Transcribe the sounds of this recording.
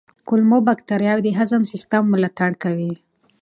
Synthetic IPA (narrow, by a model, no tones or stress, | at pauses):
kʊlmobakt̪aɾjɑwd̪əɦazamsɪst̪amːʊlat̪aɽkawi